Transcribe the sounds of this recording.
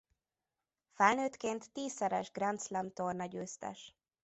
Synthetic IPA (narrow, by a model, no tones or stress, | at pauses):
fɛlnøːt̪keːnt̪ːiːsːɛɾɛ̰ʒɡrɛnt̪slɛmt̪ornɒɟøːst̪ɛ̰ʃ